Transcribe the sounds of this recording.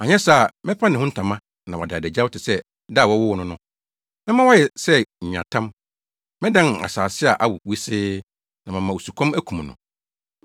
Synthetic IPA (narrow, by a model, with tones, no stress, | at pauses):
a˨ɲɛ̃˦sa˦˨mɪ̃˦pʰa˦nɪ̃˨hʊ̃˦n̩˦tʰã˨mã˦ | nã̰˨wɔ̰˨da˨dæ˨d͡ʑa˦wtʰɪ˨sɛ˦ | da˦˨wɔ˦wʊ˦wɔ˦nʊ̃˦nʊ̃˦ | mɪ̃˦mã˦wɔ˦jɛ˨sɛ˦ɲ̩˨ɲã̰˨tʰã˦m | mɪ̃˦dã˦na̰˨saː˨sɪ˦a˨ʔa˦wʊ˨wi˦sɪː˦ | nã˨mɪ̃˨mã˨wo˨su˨kʷʰɔ̃˦mæ˦kʰũ˨m˨nʊ̰̃˨